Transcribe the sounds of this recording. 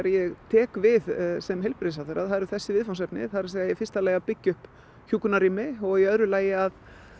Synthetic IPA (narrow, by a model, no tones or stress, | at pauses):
ɾjɛɣt̪ʰɛːkvɪðsɛmɦejlpɾeðsawθeɾaðhaðɾʏθɛsːɪvɪðfawnsɛpnɪ̰ðθaðɾɪseɣajɛfɪst̪alɛɣapɪcːʏhp | çuːkʏnaɾiːmɪɔɣiœðɾʏlaːjɪað